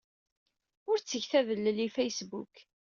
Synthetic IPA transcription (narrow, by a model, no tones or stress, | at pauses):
ʊɾt͡sːəçθæðəlːəlːifejsbṵk